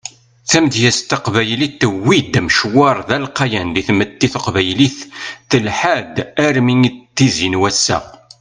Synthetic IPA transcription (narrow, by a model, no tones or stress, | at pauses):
θæmd̪jæst̪əqvæjliθːəwːid̪mʃwɑɾˤðælqɑjænðiθmət̪ːiθəqvæjliθːəlħad̪æɾminit̪ːizinwæsːæ̰